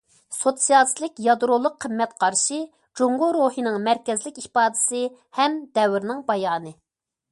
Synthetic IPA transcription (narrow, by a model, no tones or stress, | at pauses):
sot̪sijɑslˠɪkʲjɑd̪ɾolˠːʊqʰːəmːɛt̪qʰɑɾʃɨ | d͡ʒoɴʁoɾohinɨŋmɛɾkʲɛzlɪkʲihpɑːd̪ɪ̥sɨ | hɛmd̪ɛwɾnɪŋbɑjɑːnɨ